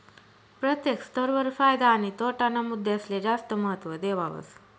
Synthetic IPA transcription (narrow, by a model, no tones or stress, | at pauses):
pɾət̪jekst̪əɾʋəɾfajd̪anit̪oʈanamud̪ʱːeəsled͡ʒast̪əməɦət̪ʋəd̪eʋaʋə̰s